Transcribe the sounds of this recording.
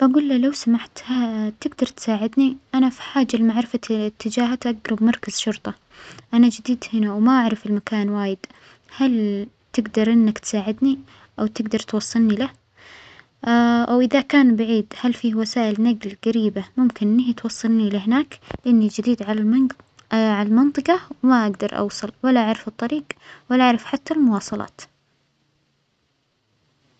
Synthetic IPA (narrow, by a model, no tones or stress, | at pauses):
baɡuːlːalawsamaħt̪hat̪ɪɡd̪ɑɾˤt̪saːʕɪd̪niʔanafi̥ħaːd͡ʒːalɪmaʕɾɪfat̪ʰːɪd͡ʒaːɦat̪ʔaɡɾˤɑbmɑɾˤkaz̥ʃʊɾt̪ˤɑ | ʔanad͡ʒɪd̪iːd̪hɪnawmaʔaʕɾɪfɪlmakaːnwaːjɪd̪̥ | hal | t̪ɪɡd̪ɑɾˤʔɪnːakt̪saːʕɪd̪ni | ʔawt̪ɪɡd̪ɑɾˤt̪wɑsˤːɨlnila | ʔawʔɪðakaːnbaʕiːd̪halfiːwasaːʔɪlnaɡlɡaɾiːbamʊmkɪnʔɪnɪht̪wɑsˤːɑlnilɪhɪnaːklɪʔanːid͡ʒɪd̪iːd̪ʕa | ʕalalmɑnt̪ˤɨqɑwmaʔaɡd̪ɑɾˤʔɑ̰wsˤɑlwalːaʔaʕɾɪfɨt̪ˤːɑɾiːɡwalaʔaʕɾɪfħat̪ːalmʊwɑːsˤɑlɑ̰ːt̪